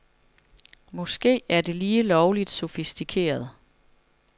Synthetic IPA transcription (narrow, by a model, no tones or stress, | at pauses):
mɒ̽sɡ̥e̝̰ːæɐde̝liːlɒʊlid̥so̝fisd̥ikʰe̝̰ːɐð̞ˠ